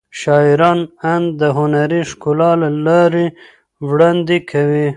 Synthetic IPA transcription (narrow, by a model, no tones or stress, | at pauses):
ʃɑiɾɑnand̪d̪əɦʊnaɾiʃkulɑlalɑɾi | wɽand̪ikʰawi